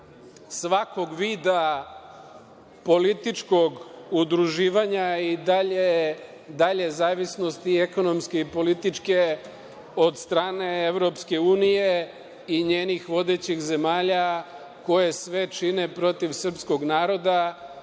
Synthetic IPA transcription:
sʋako̞ɡʋiːd̪a | po̞lit̪it͡ʃko̞ɡud̪ɾuʒiːʋaɲaid̪aʎe | d̪aʎe̞zaːʋisno̞st̪ieko̞no̞mske̞ipo̞lit̪it͡ʃke̞ | o̞d̪st̪ɾaːne̞eʋɾo̞pske̞uːnije̞ | iɲeːnixʋo̞d̪e̞t͡ɕixze̞maːʎa | ko̞jesʋe̞t͡ʃine̞pɾo̞t̪iʋsr̩psko̞ɡnaːɾo̞d̪a

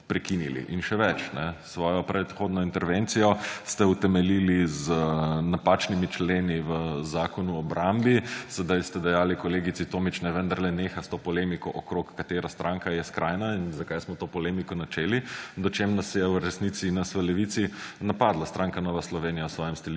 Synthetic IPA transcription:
pɾɛkinilḭʔinʃɛʋɛt͡ʃnɛsʋɔːjɔpɾɛt̪xoːd̪nɔint̪ɛɾʋent̪sijɔst̪ɛut̪ɛmɛliliznapaːt͡ʃnimit͡ʃleːniʋəzaːkɔnuɔbɾʔambisɛd̪ajst̪ɛd̪ɛjaːlikɔleːɡitsit̪oːmit͡ʃnɛʋənd̪aɾlɛneːxast̪oːpɔlemikɔʔɔkɾokːat̪eːɾast̪ɾʔaːŋkajɛskɾʔajnainzakajsmɔt̪oːpɔleːmikɔnat͡ʃeːlid̪ɔt͡ʃemnasjɛwɾɛsnit̪sinasʋəlɛʋit̪sinapaːd̪last̪ɾʔãŋkanɔʋaslɔʋeːnijawsʋɔːjɛmst̪ɛli

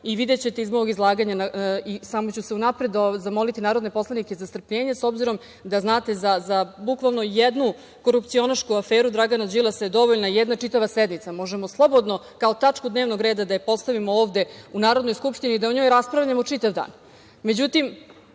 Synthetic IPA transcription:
iʋid̪et͡ɕe̞t̪eizmoʋoɡizlˠaːɡaɲanaisamot͡ɕuse̞unapɾe̞d̪ozamo̞lit̪inaːɾod̪ne̞po̞slˠanike̞zast̪r̩pʎe̞ːɲeso̞bziɾo̞m | d̪aznaːt̪e̞zazabukʋalˠno̞jed̪nu | ko̞ɾupt̪sio̞naʃkuafeːɾud̪ɾaɡanad͡ʑilˠasajed̪o̞ʋoʎnajɛd̪nat͡ʂit̪aʋased̪nit̪samo̞ʒemo̞slˠo̞bo̞d̪no̞ | kao̞t̪at͡ʂkud̪neʋno̞ɡɾeːd̪ad̪ajepo̞st̪aʋimooːʋd̪e̞unaːɾod̪no̞jskupʂt̪iniːd̪aoɲo̞ːjɾaspɾavʎamot͡ʂit̪aʋd̪a̰ːn | me̞d͡ʑut̪im

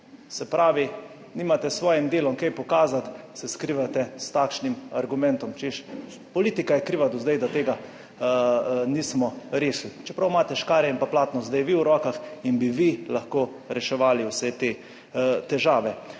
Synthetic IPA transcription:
sɛpɾʔaːʋi | niːmat̪ɛsʋɔːjimd̪eːlɔŋkɛjpɔkaːzat̪sɛskɾiːʋat̪ɛst̪aːkʃnimaɾɡumɛ̃nt̪ɔmt͡ʃeʃ | pɔliːt̪ikajɛkɾiːʋad̪ɔzd̪ɛjd̪at̪eːɡa | niːsmɔɾeːslit͡ʃɛpɾawmaːt̪ɛʃkaːɾjɛimpaplaːt̪nɔzd̪ɛjʋiwɾɔːkaxinbiʋilaxkoː | ɾɛʃɛʋaːliwsɛt̪eː | t̪ɛʒaːʋɛ

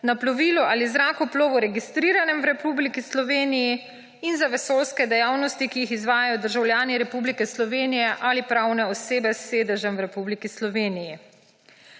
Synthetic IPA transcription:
naplɔʋiːluʔaːlizɾaːkuploːʋuɾɛɡist̪ɾiːɾanɛmwɾɛpublikislɔʋeːniji | inzaʋɛsoːlskɛd̪ɛjawnɔst̪ikijixizʋaːjajɔd̪əɾʒawljaːniɾɛpublikɛslɔʋeːnijɛʔalipɾawnɛɔseːbɛsːeːd̪əʒɛmwɾɛpublikislɔʋeːniji

